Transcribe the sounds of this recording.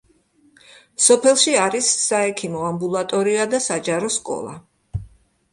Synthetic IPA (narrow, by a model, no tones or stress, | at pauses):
sɔpʰɛlˠʃiaɾisːaɛkʰimɔambulˠat̪ʼɔɾiad̪asad͡ʒaɾɔskʼɔ̰lˠa̰